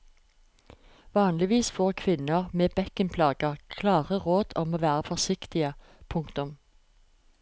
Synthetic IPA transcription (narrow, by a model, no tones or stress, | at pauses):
ʋɑːnlɪʋiːsfoːʁkʰʋɪnəʁmeːbɛkənpʰlɑːɡəʁkʰlɑːʁəʁoːd̪̥ɔmoːʋæːʁəfɔsɪkt̪ɪə | pʰʊŋkt̪ʊm